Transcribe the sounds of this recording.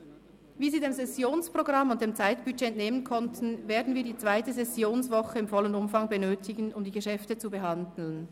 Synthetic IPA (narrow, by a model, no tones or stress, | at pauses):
viːziːdeːmsɛsjoːnspʁ̥oɡʁɑmːʊnt̚d̥eːmt͡saɪtb̥yd͡ʒeːneːmənkʰɔntʰn̩veːɐdn̩viːdiːt͡sv̥aɪtəzɛsjoːnsvɔχəɪmfɔlənʊmfɑŋbənøːtʰɪɡən̩ʊmdiːɡəʃɛftət͡subəɦɑndl̩n